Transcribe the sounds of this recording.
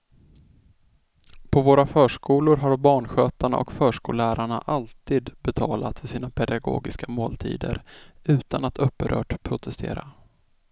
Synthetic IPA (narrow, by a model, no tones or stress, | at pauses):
pʰɔvoːɾafœːʂkuːlʊɾɦaɾbɑːɳɧøːt̪aɳa̰ʔɔkfœːʂkuːlæːɾaɳaʔalt̪iːd̪bɛt̪ʰɑːlat̪fœʂiːnapʰɛd̪aɡo̰ːɡɪskamoːlt̪ʰḭːd̪ə̰ɾʉ̟ːt̪anat̪ʰɵpːəɾʔœ̰ːʈpʰɾʊt̪ʰɛst̪ʰḛːɾa